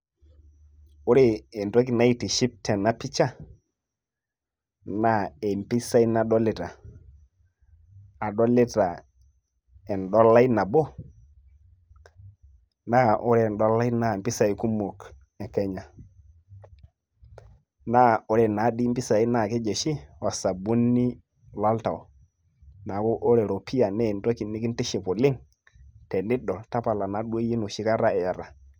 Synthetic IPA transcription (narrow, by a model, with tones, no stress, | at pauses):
u˦ɾe˦˨e˨nto˦k̬i˨na˦i˦ti˨ʃi˦p̚tɛ˨na˨pi˦t͡ʃa˦ | na˦e˨mpi˦sa˦i˦na˨ɗɔ˦li˨ta˨ | a˨ɗɔ˦li˦ta˨ | ɛ˨nɗɔ˦la˦i˦na˨bo˦ | na˦ʔu˦ɾe˦˨n˨ɗɔ˦la˦i˦na˨mpi˦sa˨i˨ku˦mo˨k | e˨ke˦ɲa˨ | na˦o˦ɾɛ˨na˨˦ɗi˦mpi˦sa˨i˦na˦˨ke˦d͡ʒe˨ʃi˦wa˨sa˨bu˦nːi˦ | la˦lta˨o˨ | na˨ko˦ʔo˦ɾe˨ɾo˨pʰi˦ja˨ne˦˨nto˦ki˨ni˦ki˦nti˦ʃi˨po˨li˦ŋ | te˨ni˦ɗo˨ta˦pa˨la˨na˨ɗu˦o˦ji˦nu˨ʃi˦ka˦ɾa˦e˨ja˨ɾa˨